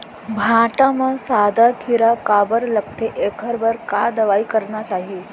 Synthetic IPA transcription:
bʱãʈamə̃sad̪ʱakʰiɾakabəɾləkt̪eʔekʰəɾbəɾkad̪ɐʋaikəɾnat͡ʃaːɦi

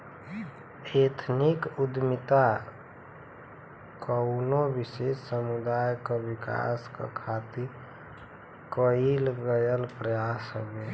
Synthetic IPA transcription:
et̪ʰnikud̪mɪt̪a | kəʊnobɪʃessəmud̪ajkawɪka̰ska̰kʰat̪iɾ | kəilɡəjəlpɾəjasɦəbe

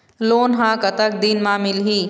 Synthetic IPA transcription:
loːnɦãːkɐt̪ək̚d̪iːnmãːmɪlɦiː

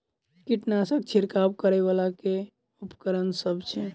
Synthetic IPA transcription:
kiʈnasəkt͡ʃʰiɾkabkəɾɛβalake | upə̥kəɾənsəbt͡ʃʰɛ

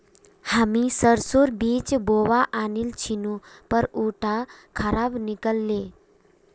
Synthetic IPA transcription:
hamisəɾsoɾbiːt͡ɕboʋaʔanilt͡ɕʰinupəɾuʈʰakʰəɾabnikəlːe

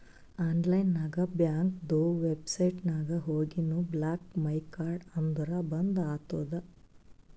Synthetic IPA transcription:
aːɳlɐjnːaːɡɐbjaːŋkd̪oʋebsɐjʈnaːɡɐɦoːɡinublaːkmɐjkaːɾɖɐnd̪ʱɐɾɐbɐnd̪aːt̪oːd̪ɐ

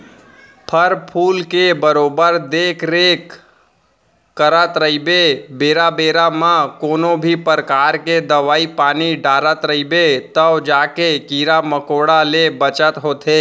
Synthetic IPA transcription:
pʰəɾpʰuːlkebəɾoːbəɾd̪eːkʰɾek | kːəɾət̪ɾəibebeːɾabeːɾamãkoːnobʱipəɾəkaːɾked̪əʋaːipaːniɖaːɾət̪ɾəibet̪əwd͡ʒaːkekiːɾaməkoːɽalebət͡ʃət̪ɦoːt̪e

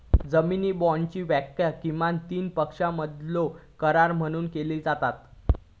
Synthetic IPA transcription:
d͡zəminiːbɔɳt͡ɕiːʋəkjəkiʋant̪iːnpəkʂaməd̪lokəɾaɾm̤əɽ̃uːnkeliːd͡zat̪at̪

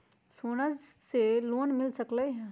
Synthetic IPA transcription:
soːnəd͡ʒseloːnmɪlsəkləɦɛ̃

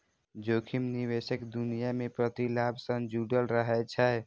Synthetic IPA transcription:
d͡ʒokʰimniwesəkd̪unijamepɾət̪ilabsə̃ŋd͡ʒuɖəlɾəɦɛt͡ʃʰɛ

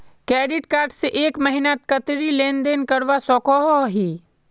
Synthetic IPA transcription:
kɛːɖɪʈkaːɾʈseʔeːkmɐɦɪnat̪kət̪ɾileːnd̪eːnkɐɽʋasɔːkɔɦɔɦiː

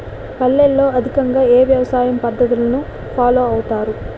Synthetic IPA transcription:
kɐlːelːo̞ːɐd̪ʱikɐŋɡaːeːʋjɐʋɐsaːjɐmpɐd̪ːɐt̪̬ulɐnu | pʰaːloːɐwut̪aːɾu

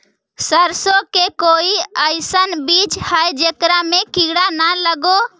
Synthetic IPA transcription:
səɾsokekoːiəɪsənbit͡ʃhəjd͡ʒekɾamekiːɽanaləɡo

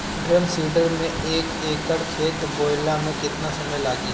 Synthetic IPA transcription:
bɾəmsiːɖəɾmẽ | eːk | eːkəɾt͡ʃʰeːt̪boːɪlamẽkɪt̪nasɐməjlaːɡi

